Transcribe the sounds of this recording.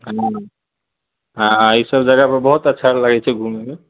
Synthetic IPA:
ɦã | ɦãisəbd͡ʒaɡapəɾbɔɦut̪ətːʃʰalaɡɛt͡ʃʰɛɡʱumeme

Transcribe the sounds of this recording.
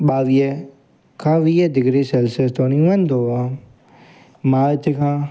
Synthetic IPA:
ɓaːʋie | kʰãːʋiːed̪ɪɡɾisɛlsest̪onĩʋɐ̃nd̪oa | maːt̪ekʰãː

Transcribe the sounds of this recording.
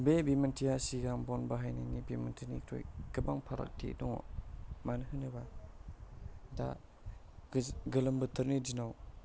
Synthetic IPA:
bebimentʰijasiɡaŋbɔnbaɦajnanibimentʰinḭkʰɾo̰jɡɯbaŋpʰaɾa̰k̚tʰḛdɔŋo̰manɯɦɯnɯba | da̰ | ɡɯlɐmbɯtʰɯɾnidinaw

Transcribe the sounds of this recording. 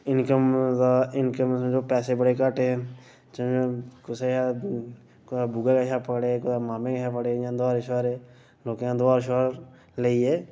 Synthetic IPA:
ɪnkəmaɪnkəmd͡ʒoːpɛːsebəɽekaːʈeɛ̃ | t͡ʃd͡ʒokʊseʃa | kabuɡakaʃapəkɽekʊamaːmẽkʃapəɽejãːd̪aːɾʃəɾɛː | loːkːãːd̪aːɾʃɾ | leiɛː

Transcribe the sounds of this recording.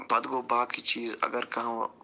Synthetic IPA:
pɐd̪ɡoːbaːkit͡ʃiːzɐ̰ɡəɾkɐɦãː

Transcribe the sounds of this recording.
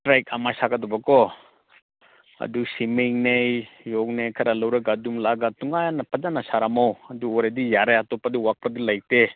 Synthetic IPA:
tɾajk̚amajsaɡadɔbakɔ | ɐ̰duksimiŋnejjɔk̚nejkʰɐɾalawɾɐɡadumlaɡatuŋajanɐpʰɐd͡ʒanasaɾamawɐduɔɾadijaɾajatɔpadiwak̚padilaj̚te

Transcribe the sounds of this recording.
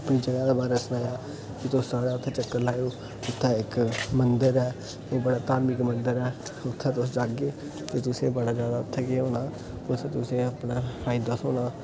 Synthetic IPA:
pniːd͡ʒəɡaːd̪aːbaːɾɛːsʊnaːjaː | kɪt̪ʊssaːɽaːʊt̪ʰːẽːt͡ʃəkːəɾlaːjoː | ʊt̪ʰːɛːɪkmənd̪əɾɛː | ebəɽaːt̪aːɾmiːkmənd̪əɾɛːʊt̪ʰːɛ̃ːt̪ʊsd͡ʒaːɡeː | t̪eːt̪ʊsẽːbəɽaːd͡ʒjaːd̪aːʊt̪ʰːɛːkeoːnaː | ʊt̪ʰːeːt̪ʊsẽːəpnaːfʰaːɪd̪aːsoːnãː

